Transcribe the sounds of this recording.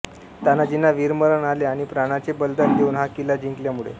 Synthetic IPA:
t̪janad͡ʑinːaʋiɾməɾəɳaleaɽ̃ipɾaɽ̃at͡sebəld̪əɾd̪ʱeuːnɦakilad͡ʑiŋkljamuɭḛ

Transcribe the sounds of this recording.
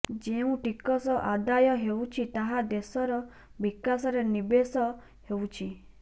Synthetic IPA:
d͡ʒeũʈikɔsɔʔad̪ajɔɦewt͡ʃʰit̪aɦad̪esɔɾɔ | bikasɔɾenibesɔ | hewt͡ʃʰi

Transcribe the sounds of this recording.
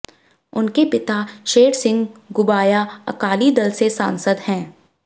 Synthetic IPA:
ʊnkepɪt̪aʃeːɽsɪ̃ŋɡɡʊbaːjaɐ̰kaːlid̪ɐlsesã̰ːnsəd̪hɛ̃ː

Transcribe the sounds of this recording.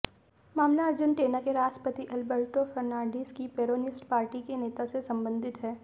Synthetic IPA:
maːmnaɐɾd͡ʒənʈeːnakeɾaːʃʈəpət̪iʔɐlbəɾʈofɐɾnãːɳɖiskipeːɾoːnɪsʈpaːɾʈikeneːt̪asesɐ̃mbə̃nd̪ʱɪt̪ɦɛː

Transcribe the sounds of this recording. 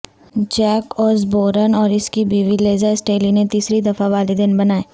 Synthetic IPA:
d͡ʒɛːkɔːsboːɾənɔːɾɪskibiːʋileːzəsʈeːlinet̪iːsɾid̪ɐfaʋaːlid̪ɪnbɐnaːeː

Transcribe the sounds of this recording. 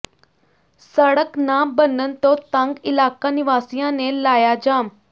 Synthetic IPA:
səɽəknaːmbənənt̪ot̪ãŋɡɪlaːkanɪʋaːsijãnẽlaːjad͡ʒaːm

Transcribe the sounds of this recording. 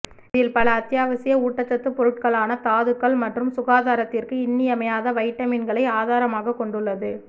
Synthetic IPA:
ɪðɪlpɐlɐːt̪ːjaːʋɐsɪjɐuːʈːɐt͡ʃːɐt̪ːɯpɔɾɯʈ̚kɐɭaːnɐt̪aːðɯkːɐɭmɐʈrɯmsʊɣaːðaːɾɐt̪ːɪrkɯɪnːijɐmɐjaːðɐʋɐɪʈːɐmɪnɡɐɭɐɪaːðaːɾɐmaːɣɐkːɔɳɖɯɭːɐðɯ

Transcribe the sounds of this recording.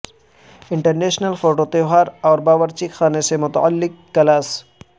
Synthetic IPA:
ɪ̃ɳʈəɾneːʃnəlfoːʈot̪eɦaːɾɔːɾbaːʋəɾt͡ʃixaːnesemʊt̪ɐ̰a̰lːɪkːɐlaːs

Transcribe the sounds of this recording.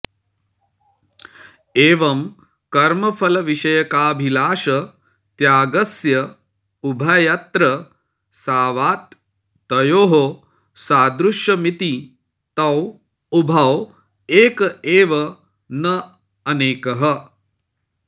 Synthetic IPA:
eːʋɐm | kɐɾmɐpʰɐlɐʋiʃɐjɐkaːbʱilaːʃɐ | t̪jaːɡɐsjɐ | ubʱɐjɐt̪ɾɐ | saːʋaːt̪ː | ɐjoːɦo | saːd̪ɾuʃjɐmit̪i | t̪ɐw | ubʱɐw | eːkɐeːʋɐ | nɐ | ɐneːkɐɦɐ

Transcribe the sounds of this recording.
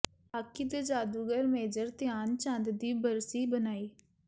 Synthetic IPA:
aːkid̪ed͡ʒaːd̪uːɡəɾmeːd͡ʒəɾt̪ɪjaːnt͡ʃãnd̪d̪iːbəɾsiːbənaːiː

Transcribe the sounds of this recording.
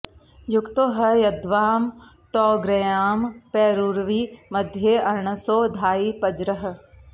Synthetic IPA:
jʊkt̪oɦɐjɐd̪ʋaːm | t̪ɔːɡɾɐjaːmpɛːɾuɾʋimɐd̪ʱjeɐɾɳəsoːd̪ʱaːiːpɐd͡ʒɾəɦ̆

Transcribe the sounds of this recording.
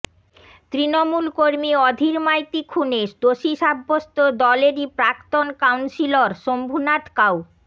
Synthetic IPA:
t̪ɾinomulkoɾmiɔd̪ʱiɾmajt̪ikʰuneʃd̪oʃiʃabːost̪od̪ɔleɾipɾakt̪onkawnsiloɾʃombʱunat̪kaw

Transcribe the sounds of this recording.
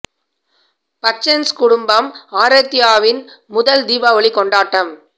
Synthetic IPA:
pɐt͡ʃːɐnskʊɽʊmbɐmaːɾɐt̪ːɪjaːʋɪnmʊðɐld̪iːʋaːʋɐɭikːɔɳɖaːʈːɐm

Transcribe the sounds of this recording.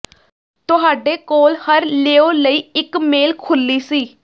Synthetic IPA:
t̪ʊɦaːɖeːkoːlhəɾleːoːləiːɪkmeːlkʰʊlːiːsiː

